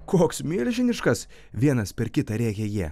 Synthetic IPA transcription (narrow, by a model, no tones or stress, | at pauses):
koːksmʲiːlʲʒʲɪnʲɪʃkɐs | ʋʲiɛnɐspʲɛɾkʲɪt̪ɐɾʲæːkʲɛjiɛ